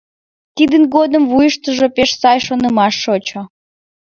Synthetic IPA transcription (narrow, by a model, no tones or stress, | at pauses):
t̪id̪ənɡod̪əmvujəʃt̪əʒopeʃsɑjʃonəmɑʃːot͡ɕo